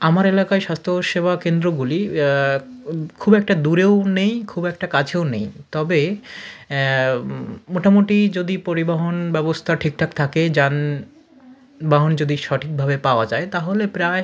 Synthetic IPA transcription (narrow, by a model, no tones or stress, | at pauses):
amaɾelakaeʃast̪ʰoʃebʱakend̪ɾoɡuli | kʰubɛk̚ʈad̪uɾewnejkʰubɛk̚ʈakad͡ʑʰeonejt̪ɔbe | moʈamoʈid͡ʑod̪ipoɾibaɦonbɛbost̪ʰaʈʰik̚ʈʰak̚t̪ʰaked͡ʑan | baɦond͡ʑod̪iʃɔʈʰik̚bʱabepaoad͡ʑaet̪aɦolepɾae